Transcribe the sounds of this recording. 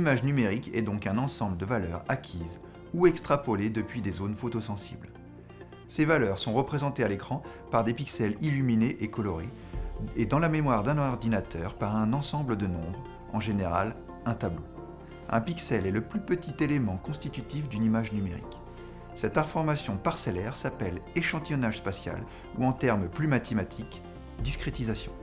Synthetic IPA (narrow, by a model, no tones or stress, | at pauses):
imaʒnymeʁikɛ̰d̪ɔ̃kɛ̃nɑ̃sɑ̃bləd̪əvalœ̰ʁakʲʰiz | uɛkst̪χapɔled̪əpɥid̪ezonfot̪osɑ̃sḭbl | sevalœʁsɔ̃ʁəpχezɑ̃t̪ealekχɑ̃ | paʁd̪epiksɛlilymineʔekɔlɔʁe | ed̪ɑ̃lamemwaʁd̪ɛ̃nɔʁd̪inat̪œʁpaʁɛ̃nɑ̃sɑ̃bləd̪ənɔ̰̃bʁ | ɑ̃ʒeneʁa̰l | ɛ̃t̪ablo | ɛ̰̃piksɛlɛləplypət̪ʰit̪elemɑ̃kɔ̃st̪it̪yt̪ifd̪ynimaʒnymeʁḭk | sɛt̪ɛ̃fɔʁmasjɔ̃paʁsɛlɛʁsapɛleʃɑ̃t̪ijɔnaʒspasja̰l | uɑ̃t̪ɛʁmplymat̪emat̪ʰik | d̪iskχet̪izasjɔ̃